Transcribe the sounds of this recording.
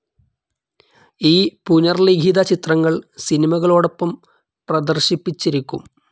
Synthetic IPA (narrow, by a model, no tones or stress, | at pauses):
iːpuɲɐrliɡʱid̪ɐt͡ɕit̪rɐŋːɐɭsinimɐɣɐɭoːɽopːɐm | prɐd̪ɐrɕipːit͡ɕːiɾikʲːum